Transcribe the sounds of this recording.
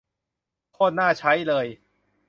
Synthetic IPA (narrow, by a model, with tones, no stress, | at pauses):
kʰɔː˥˩nnaː˥˩t͡ɕʰa˦˥jlɤː˧j